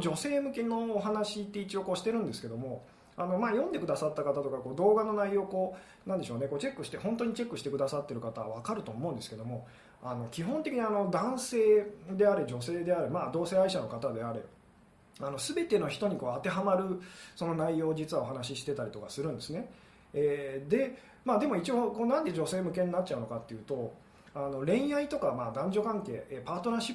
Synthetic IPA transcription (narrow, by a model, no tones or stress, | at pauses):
d͡ʑo̞se̞ːmɯ̟ke̞no̞ːɦanaɕit̪ːe̞it͡ɕio̞koːɕi̥t̪e̞ɾɯ̟̃nd̪e̞sɨ̥ke̞d̪o̞mo̞ | ano̞maːjõ̞nd̪e̞kɯ̟d̪asat̪ːakat̪at̪o̞kakoːd̪o̞ːɡano̞naijo̞ːko̞ː | nãnd̪e̞ɕo̞ːne̞koːt͡ɕe̞kːɯ̟ɕi̥t̪e̞hõ̞nt̪̬o̞ɲ̟it͡ɕe̞kːɯ̟ɕi̥t̪e̞kɯ̟d̪asat̪ːe̞ɾɯ̟kat̪aβa̰βakaɾɯ̟t̪o̞ːmo̞ɯ̟̃nd̪esɨ̥ke̞d̪o̞mo̞ | ano̞kʲiɦõnt̪ekʲiɲ̟iano̞d̪ãɰ̃se̞ːd̪e̞aɾed͡ʑo̞se̞ːd̪e̞aɾemaːd̪o̞ːse̞ːaiɕano̞kat̪ad̪e̞aɾe̞̰ | ano̞sɨbe̞t̪e̞no̞çi̥t̪o̞ɲ̟iko̞ːat̪e̞ɦamaɾɯ̟so̞no̞naijo̞ːd͡ʑit͡sɨβao̞ɦanaɕiɕi̥t̪e̞t̪aɾʲit̪okasɨɾɯ̟̃nd̪e̞sɨne̞ | ed̪e̞ | maːd̪e̞mo̞it͡ɕiokoːnãnd̪e̞ʑo̞se̞ːmɯ̟ke̞ɲ̟inat͡ɕ̚t͡ɕaɯ̟nokat̪ːe̞jɯ̟ːt̪o̞ | ano̞ɾẽ̞ɰ̃jait̪o̞kamaːd̪ãɲ̟d͡ʑo̞kãŋke̞ːʔeːpaːt̪o̞naɕi